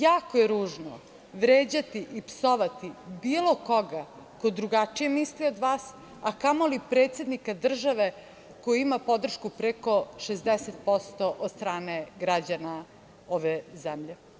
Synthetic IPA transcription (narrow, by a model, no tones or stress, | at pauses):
jaːkojeɾuːʒno̰ | ʋɾeːd͡ʑat̪iʔipsoʋat̪ibiːlˠo̞koɡa | kod̪ɾuɡat͡ʂije̞mislio̞d̪ʋaːs | akamo̞lipɾeːt̪se̞d̪nikad̪r̩ʒaʋe | kojiimapo̞d̪r̩ʃkupɾeko̞ʃezd̪eset̪̚po̞st̪oʔod̪st̪ɾaːneɡɾad͡ʑana | oʋezɛmʎe